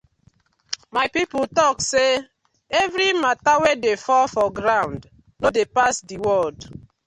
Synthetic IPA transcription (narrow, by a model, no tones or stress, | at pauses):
majpipʊtɔkse | ɛvɾimatawedefɔfɔɡɾãʊ̃nd | nodepasdiwɔld